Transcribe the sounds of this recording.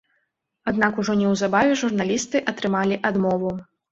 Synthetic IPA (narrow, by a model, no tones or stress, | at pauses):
ad̪nakuʐɔnʲɛwzabavʲɛʐurnalʲist̪ɨʔɐt̪ɾɨmalʲiʔad̪mɔvu